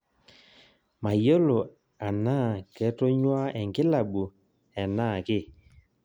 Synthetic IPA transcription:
ma˨jo˦lo˨ | a˨naː˦˨kɛ˨˦tɔ˦ɲwa˦ʔɛ˨ŋɡɪ˦la˨ɓu˨ | ɛ˨naː˦˨kɪ˦˨

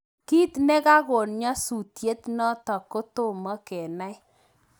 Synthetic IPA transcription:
ki˦tnɛ˦ka˦ko˨nɲɔ˦su˨tje˦tnɔ˦tɔ˨ko˦to˦mɔ˦kɛ˨na˦j

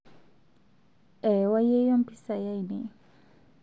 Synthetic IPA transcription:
ɛ˨wa˦je˦jɔ˦m̩˦pʰi˦sa˨ja˦jne˨

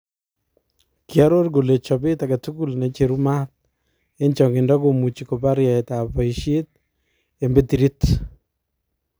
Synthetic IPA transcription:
kja˦ɾo˦rɡo˨le˨t͡ʃɔ˨bɪtakatu˦ku˦lne˨t͡ʃe˨ɾuma˦t̚ | ent͡ʃɔ˨ŋɡɪ˨ndɔ˦komu˨t͡ʃiko˨pa˦ɾja˨ɛtapɔ˨iʃe˦t̚ | embeti˨ɾit

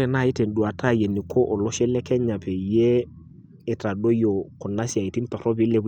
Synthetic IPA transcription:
e˨na˦˨ɪ˦te˨n̩˨ɗu˨a˨ta˦˨je˨ni˨kʰo˦ʔo˨lɔ˦ʃɛ˦lɛ˦kɛ˦ɲa˨pe˨jeː˦˨ | ta˨ɗo˦jo˨kɔ˨na˦si˨a˨i˨ti˦n˦tɔ˨ɾɔ˦bɪ˦le˦

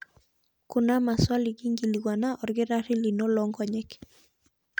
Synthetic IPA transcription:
ku˨na˦ma˨swa˦li˨ki˦ŋɡi˨li˨ɡwa˨na˦ʔɔ˨ɾɡe˦ɾa˦ri˦li˨no˦lɔŋɡɔ˨ɲɛ˦k

